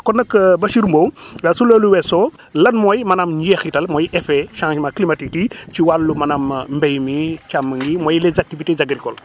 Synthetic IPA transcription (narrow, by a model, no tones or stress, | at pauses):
kɔnɐkːbɐʃiɾmbowwɛsuləːluwɛsɔ | lɐnmɔjmɐnamɲɟɛxitɐlmɔːjʔɛfɛʃãːʃmɐklimatik̚tit͡ʃiwalːumɐnammbɛjmit͡ʃamːəŋɡimɔjlɛzak̚tivitezaɡɾikɔl